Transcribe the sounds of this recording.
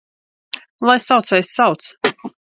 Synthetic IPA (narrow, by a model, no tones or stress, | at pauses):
lˠajsawt̪sɛjssawt̪s